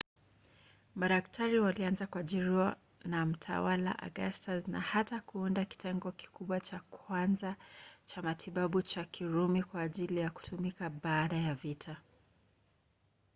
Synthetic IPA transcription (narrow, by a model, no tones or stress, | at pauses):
maɗak̚tʰaɾiwalianzakuaʄiɾiwa | nam̩tʰa̰wala̰ʔa̰ɠastazna̰hatakuundaki̥tʰɛŋɡɔki̥kuɓwat͡ʃakʰwanzat͡ʃamatʰiɓaɓut͡ʃakʰiɾumikwaːʄilijaku̥tʰumikaɓaːɗajavitʰa